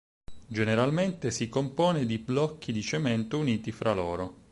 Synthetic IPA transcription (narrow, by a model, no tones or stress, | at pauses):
d͡ʒeneɾalment̪esikompɔːned̪iblɔkʰːid̪it͡ʃemɛnt̪ouniːt̪ifɾʔalɔːɾo